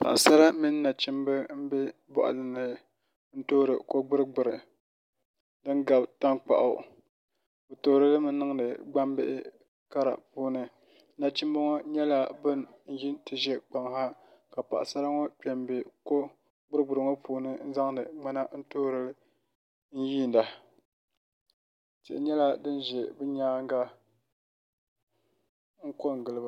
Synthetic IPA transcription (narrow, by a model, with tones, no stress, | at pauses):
pa̰˨ʔa˨sa˦ɾa˦mi˦nː˦a˨t͡ʃi˦mbɨ˦m̩˦bɛ˦ | bɔ̰˨ʔa̰˨lɨ˨nɨ˨ | n̩˦toː˦ɾɨ˨ko˦ɡ͡bʊ˦ɾɨ˦ɡ͡bɨ˨ɾɨ˨ | dɨ˦ŋ˦ɡa˨bta˦nk͡pa̰˨ʔʊ̰˨ | o˨toː˦ɾɨ˦lɨ˦mɨ˦nːɨ˦ŋ˦nɨ˨ɡ͡ba˦mbɪ˦ʔɪ˦ | ka˦ɾa̰˨puː˦nɨ˨˦ | na˨t͡ʃi˦mbo˦ŋɔ˦ɲɛ˦la˨bɨ˦n | n̩˦ji˦tɨ˨ʒɛ˦k͡pa˨ŋ˨ha˦ka˨pa̰˨ʔa̰˨sa˦ɾa˦ŋo˦k͡pɛ˨mbe˨ko˦ | ɡ͡bʊ˦ɾɨ˦ɡ͡bʊ˨ɾɨ˨ŋo˦pʰuː˨nɨ˦n̩˦za˦ŋ˦dɨ˨ŋ͡ma˦na˦n̩˦toː˦ɾɨ˦lɨ˦ | n̩˦jiː˦˨n˨da˨ | tɪ̰˨ʔɪ˨ɲɛ˦la˦dɨ˦n˦ʒɛ˨bɨ˦ɲaː˦ŋ˦ɡa˦ | ŋ̩˦ko˦ŋ˨ɡɨ˨lɨ˨b